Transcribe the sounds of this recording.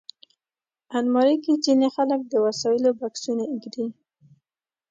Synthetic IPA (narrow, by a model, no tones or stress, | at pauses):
anmɑɾikit͡ʃinexalək̚d̪əwasɑjɪlobaksunaɪɡd̪i